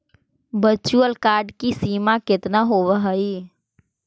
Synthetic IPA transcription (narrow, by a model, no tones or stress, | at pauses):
bət͡ʃuəlkaːɾɖkisiːmakɪt̪naɦoʋəɦəi